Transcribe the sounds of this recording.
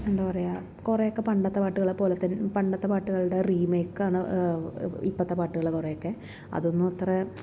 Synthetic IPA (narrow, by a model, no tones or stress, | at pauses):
e̞nd̪aːpɐrɐjaː | kurejo̞kːe̞pɐɳɖɐt̪ːɐpaːʈːuɣɐɭepːo̞ːlet̪ːɐnpɐɳɖɐt̪ːɐpaːʈːuɣɐɭuɽeriːmeːkːaːɳɨ | ipːɐt̪ːɐpaːʈːuɣɐɭkurejokːe̞ | ɐ̰ðo̞nːɨɐt̪re